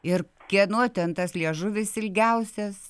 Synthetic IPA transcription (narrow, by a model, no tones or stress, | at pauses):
ɪrkʲiɛnoːt̪ʲɛnt̪ɐslʲiɛʒʊʋʲɪsɪlʲɡʲɛʊsʲɛs